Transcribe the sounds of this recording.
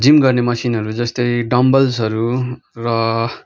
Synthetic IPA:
d͡zimɡʌrnemʌsinɦʌɾud͡zʌst̪ʌjɖʌmbʌlsɦʌɾu | rʌ

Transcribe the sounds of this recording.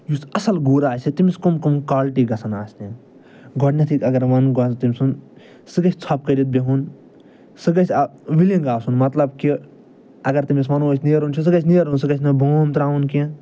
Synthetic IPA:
jusɐsɐlɡuːɾaːsit̪imiskumkumkaːlʈiɡɐsɐnaːsni | ɡɔɖnʲɐt̪ʰikɐɡɐɾʋɐnɡɔt̪imʲsun | sɨɡɐt͡ʃʰʲt͡sʰɐp̚kɐɾit̪̚bʲeɦun | sɨɡɐt͡ʃʰʲɐʋilĩŋɡaːsunmɐt̪lɐbki | ɐɡɐɾt̪imis̬mɐnuɐt͡ʃʰʲniɐɾunt͡ʃʰis̬ɨɡɐt͡ʃʰʲnijɾuns̬ɨɡɐt͡ʃʰnɐbʱoːmt̪ɾaːunkĩ

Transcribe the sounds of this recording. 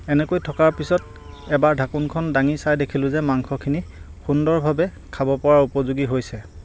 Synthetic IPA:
ɛnɛkojtʰɔkaɹpisɔt | ɛbaɹdʱakunkʰɔndaŋisajdekʰilʊzɛmaŋkʰɔkʰini | xundɔɹbʱabɛ | kʰabɔpɔɹaɹupɔzuɡiɦojsɛ

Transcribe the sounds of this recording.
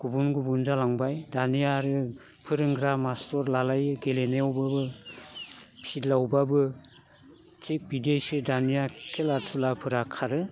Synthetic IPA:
ɡ̥ubunɡubunzalaŋbajdanijaɾɯ | pʰɯɾɯŋɡɾamastɔɾlalajɯɡeleneɔwbabɯ | pʰitlawbabɯ | tʰik̚bidejsɯdanijakʰelatʰulapʰɯɾakʰaɾɯ

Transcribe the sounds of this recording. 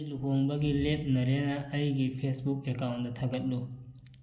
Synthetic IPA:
luɦoŋbɐɡilet̚nɐɾenɐʔɐjɡipʰesbukekawnt̚d̪ɐt̪ʰɐɡɐt̚lu

